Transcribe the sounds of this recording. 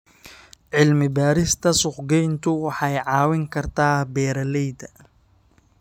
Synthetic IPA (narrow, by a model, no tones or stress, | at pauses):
ʕɪlmɪbaːɾɪst̪ʰɐsʊqɡɛjnt̪ʰʊwɑħɑjʕɑːwɪŋkʰɐrt̪ʰaːbɛːɾɐlɛjd̪ɐ